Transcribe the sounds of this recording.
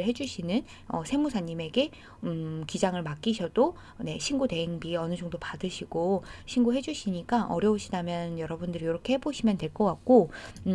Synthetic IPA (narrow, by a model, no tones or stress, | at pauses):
ɦe̞d͡ʑuɕʰinɯn | ʌ̰sʰe̞musʰaɲːime̞ɡe̞ | ɯkid͡ʑaŋɯɭmak͈iɕʰʌd̥o | ne̞ɕʰinɡute̞eŋbiʌnɯd͡ʑʌŋdopadɯɕʰiɡ̥oɕʰinɡoɦed͡ʑuɕʰiɲik͈aʔʌɾjʌuɕʰidamjʌnjʌɾʌbundɯɾijoɾʌkʰe̞he̞boɕʰimjʌntwe̞ɭk͈ʌk͈ak̚k͈o